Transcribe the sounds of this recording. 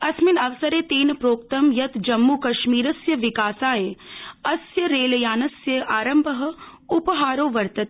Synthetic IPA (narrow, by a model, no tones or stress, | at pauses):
ɐsminɐʋsɐɾeːt̪eːnpɾoːk̚t̪ɐmjɐt̪d͡ʒɐmːukɐʃmiːɾɐsjɐʋɪkaːsaːjeɐsjɐɾeːlɐjaːnɐsjɐʔaːɾɐmbʱɐɦɐ̆upɐɦaːɾoːʋɐɾt̪ɐt̪ː